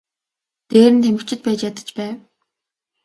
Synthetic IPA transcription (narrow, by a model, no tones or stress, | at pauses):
t̪eːɾɘ̆nt̪ʰemɘ̆kt͡ɕʰɪ̆t̪̚pæːt͡ɕjat̪ə̥̆t͡ɕpæːw